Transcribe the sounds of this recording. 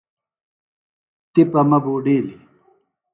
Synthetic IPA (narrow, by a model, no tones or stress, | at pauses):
t̪ipɐmɐboːɖiːli